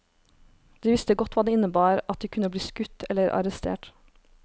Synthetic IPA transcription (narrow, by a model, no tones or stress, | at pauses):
d̪̥iːʋɪst̪əɡɔt̪ʋɑːd̪eːɪnəbɑːɾɑt̪̚d̪iːkʰʉnəbliːskʉt̪ɛləɾʔɑ̰ɾəst̪ʰḛːʈ